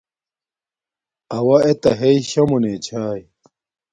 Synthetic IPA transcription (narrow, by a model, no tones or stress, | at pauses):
ɐwɐet̪ɐɦejɕɐmunet͡ɕʰaːj